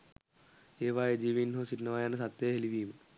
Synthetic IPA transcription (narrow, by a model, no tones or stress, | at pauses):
eːʋaːjed͡ʒiːʋinɦoːsiʈnɐʋaːjanːɐs̬at̪ːjeɦeliʋiːmɨ